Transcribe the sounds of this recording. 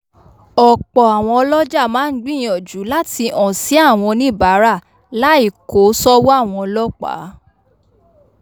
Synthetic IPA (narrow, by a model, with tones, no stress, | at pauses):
ɔ˨k͡pɔ˨a˨w̃ɔ̃˧ɔ˧lɔ˦d͡ʒa˦˨mãː˨˦n̩˦ɡ͡bĩ˦˨j̃ɔ̃˨d͡ʒu˨˦la˦ti˧ʔɔ̃˨si˨˦a˦˨w̃ɔ̃˧nĩ˦˨ba˨˦ɾa˦˨ | la˦i˦˨ko˨˦sɔ˦wo˦a˦˨w̃ɔ̃˧ɔ˧lɔ˦k͡pa̰˨˦